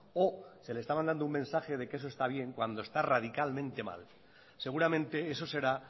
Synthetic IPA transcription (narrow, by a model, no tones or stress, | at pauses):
ose̞lest̪amand̪and̪oumensaxe̞ð̞e̞keesoe̞st̪aβ̞je̞ŋkwand̪o̞e̞st̪arað̞ikalmẽ̞nt̪e̞ma̰l | se̞ɣ̞uɾamẽ̞nt̪e̞eso̞se̞ɾa